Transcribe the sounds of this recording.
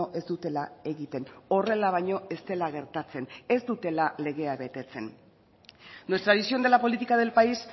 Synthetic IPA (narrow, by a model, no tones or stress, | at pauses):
oʔe̞zd̪ut̪e̞lae̞ɣit̪e̞no̞re̞laβ̞ajɲo̞e̞st̪e̞laɣ̞e̞ɾt̪at͡se̞ne̞zd̪ut̪e̞lale̞ɣ̞e̞aβe̞t̪e̞t͡se̞n | nwe̞st̪ɾaðisio̞nd̪elapo̞lit̪ikað̞e̞lpais